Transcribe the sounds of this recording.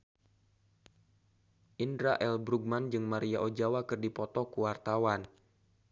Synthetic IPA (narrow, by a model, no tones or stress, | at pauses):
ʔindɾaʔɛlbɾuɡ̚mand͡ʒɨŋmaɾiaʔod͡ʒawakɨrdipɔt̪ɔkuwart̪awan